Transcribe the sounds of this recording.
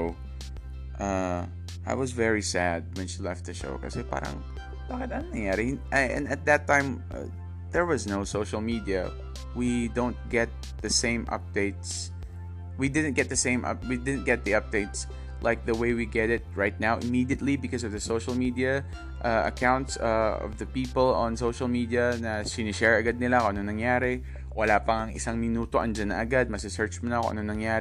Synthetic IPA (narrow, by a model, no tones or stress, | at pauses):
ʊ | ʔʌ | aɪwʌzvɛɹisæd̚wɨ̃nʃilɛft̪̚ðɨʃo̰ʊka̰sepɑ̰ɾã̰ŋ | tɔkɨtɛniθɪ̃ŋɨɾɨ̃ʔɨ̰̃nɨt̪̚ðɨtʰãɪ̃m | ʌ̰ | ðə˞wʌznoʊsoʊʃl̩ˠmiɾiɨ̰ | widõʊ̃n̚ɡ̥ɛt̪̚ | ðɨsẽɪ̃mʔʌ̰p̚d̥eɪts | widɪdⁿn̩tɡ̥ɛt̪̚ðɨsẽɪ̃mʔʌ̰p̚widɪdⁿn̩ɡ̥ɛt̪̚ðiʌp̚d̥eɪts | lʔaɪk̚ðɐweɪwiɡɛɾɪt̪̚ɹaɪjt̪̚nawʔɪmiːd̪iət̪libɪkɔs̬ɔvðɐsoʊʃɐlmid̪iɐ | ʔɐɐ̰kãʊ̃nt̪sɐɔ̰vðɐpiːpəlɔ̰̃nsoʊʃɐlmid̪iɐnɐsɪnɪʃɛɹɐɡad̪̚nɪlakoɐnoŋnɐŋjaːɾɪ | wɐlapɐŋɐŋɪ̰saŋmɪnuːt̪oʔɐnd͡ʒanːɐŋʔɐɡad̪̚mɐsɪsɛɹt͡ʃmɔnɐko̰ʔɐnoŋnɐŋjaːɾ